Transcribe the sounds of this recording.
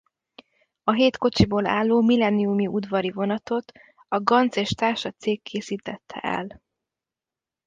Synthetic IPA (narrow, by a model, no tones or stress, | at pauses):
ɒɦeːt̪ko̞t͡ʃiboːla̰ːlːoːmilɛniumiʔud̪vɒɾivo̞nɒt̪o̞t̪ | ɒɡɒnt̪seːʃt̪aːrʃɒt̪seːkʰːeːsiːt̪ɛt̪ʰːɛ̰ʔɛ̰l